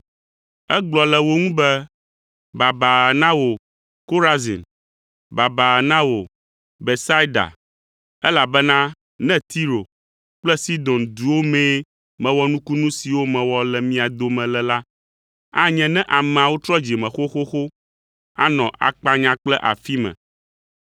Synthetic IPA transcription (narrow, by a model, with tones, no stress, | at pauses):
ɛ˦ɡ͡blɔ˨lɛ˨wo˦ŋũ˦bɛ˦ | ba˨ba˨nã˦wo˨ | ko˦ɾa˦zḭ˨n | ba˨ba˨nã˦wo˨ | be˨sa˦i˦da̰˨ | ɛ˦la˨bɛ˦nã˦ | nɛ̃˦t̪i˦ɾo˨ | k͡plɛ˦si˦d̪ɔ̃˨nd̪u˨wo˦mɛ̃˦ | mɛ̃˨wɔ˦nũ˦ku˦nũ˦si˨wo˦mɛ̃˨wɔ˨lɛ˨mĩ˦a˨d̪o˨mɛ̃˨lɛ˨la˦ | a˦ɲɛ̃˨nɛ̃˦ʔa˨mɛ̃˨a˨wo˦t̪ɾɔ˦d͡ʑi˨mɛ̃˨xo˦xo˦xo˦ | a̰˦nɔ̃˨ʔa̰˨k͡pa˦ɲã˦k͡plɛ˦ʔa̰˨fi˦mɛ̰̃˨